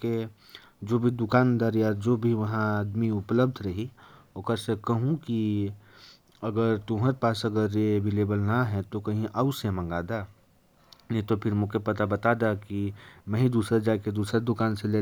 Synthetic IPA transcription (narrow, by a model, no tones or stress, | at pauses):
ke | d͡ʒoːbʱid̪ʊkaːnd̪əɾjaɾd͡ʒoːbʱiʋɐɦãaːd̪miʊpləbd̪ʱɾɐɦi | okəɾsekɐɦũki | ɐɡəɾt̪ʊɦəɾepaːsɐɡəɾjebʱileːbəlnaɦɛt̪okɐɦĩʔaʊsemɐ̃ŋɡaːd̪a | nit̪opʰɪɾmʊ̃kepɐt̪abɐt̪aːd̪akimɛ̃ːɦid̪uːsɾəd͡ʒaːked̪uːsɾed̪ʊkaːnseleː